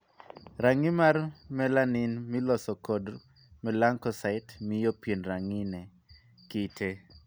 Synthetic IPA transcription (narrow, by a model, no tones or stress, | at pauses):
ɾaŋimarmɛlanɪnmilɔsɔkɔd | mɛlaŋkɔsaɪtmɪjopjenɾaŋɪnɛ | kɪtʰe